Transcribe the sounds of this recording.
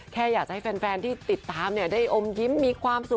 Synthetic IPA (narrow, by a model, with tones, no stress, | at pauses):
kʰɛː˥˩jaː˨˩k̚t͡ɕa˨˩ha˥˩fɛː˧nfɛː˧nt̪ʰiː˥˩t̪i˨˩t̪ːaː˧mni˥˩ɐdaː˥˩jʔo˧mji˦˥mːiː˧kʰwaː˧msu˨˩